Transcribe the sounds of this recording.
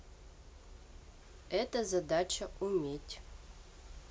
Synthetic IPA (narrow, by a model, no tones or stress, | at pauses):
ɛt̪əzɐd̪at͡ɕɐumʲetʲ